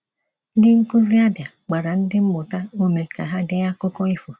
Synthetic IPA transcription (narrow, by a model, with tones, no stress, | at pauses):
dɪ˦ŋ̩˦ko˦vi˦a˦bja˨ | k͡pa˨ɾa˨n̩˦dɪ˦m̩˦mʊ˨ta˦o˦me˨ka˨ɦa˦de˦ja˦ko˦kɔ˦i˦fo˨